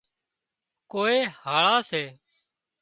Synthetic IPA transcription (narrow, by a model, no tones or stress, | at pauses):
koːeːhaːɭaːseː